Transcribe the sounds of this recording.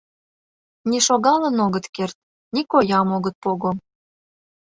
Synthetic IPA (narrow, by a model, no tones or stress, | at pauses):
niʃoɣɑlənoɣət̪kert̪̚ | nikojɑmoɣət̪̚poɣom